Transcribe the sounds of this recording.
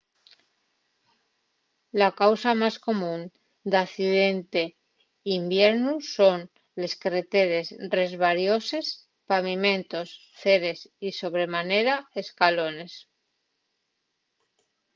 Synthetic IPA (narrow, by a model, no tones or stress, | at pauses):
lakawsamasko̞mũn | d̪akθiðe̞nt̪e̞ | imbje̞ɾnuso̞n | le̞skɾet̪e̞ɾe̞sre̞zβaɾjo̞se̞s | paβimẽ̞nt̪o̞s | θe̞ɾe̞siso̞βɾe̞mane̞ɾae̞skalo̞ne̞s